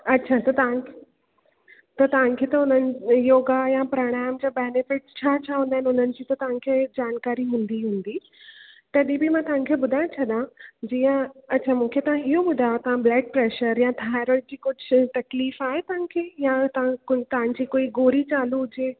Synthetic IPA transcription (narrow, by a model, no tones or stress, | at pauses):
ɐtːɕʰat̪ɐt̪ɐʋãkʰ | t̪ɐt̪ɐʋ̤ãnkʰet̪ɐɦʊn̤ənɪ̆joːɡajapɾoːɽ̃aːmd͡ʑabeːnɪfɪʈ̚t͡ɕʰaːt͡ɕʰaːɦũnd̪aːɪnɪʊn̤ənɪ̆d͡ʑiːt̪ɐt̪ɐʋ̤ãkʰeːd͡ʑaːnkaːɾiɦũːnd̪iɦũːnd̪i | t̪ɐɗĩbimãːt̪ɐʋ̤ãnkʰebʊd̪ʱaːɪjõt͡ɕʰɐɗãd͡ʑiːə̃ɐtːt͡ɕʰamũːkʰet̪ɐʋ̤ãɪɦoɓʊd̪ʱajot̪ɐʋ̤ãblɛːk̚pɾeːʃəɾjãt̪ʰaːɪɾəɽ̃d͡ʑiːkʊd͡ʑʱt̪ɐkliːfaːɦet̪ɐʋɪ̃nkʰeːjãt̪ɐãkt̪ɐʋãn̆d͡ʑiːkoːiɡoːɾit͡ɕaːlud͡ʑeː